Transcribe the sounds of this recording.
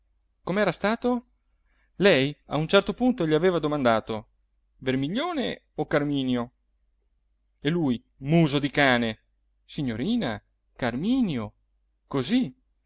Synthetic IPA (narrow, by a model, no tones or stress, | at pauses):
komeɛːɾast̪aːt̪o | lɛja̰unt͡ʃɛrt̪opunt̪oʎiaveːvad̪omand̪aːt̪o | vermiʎːoːne | okarmiːnjo | eluj | muːzod̪ikaːne | siɲːoɾiːna | karmiːnjo | kozi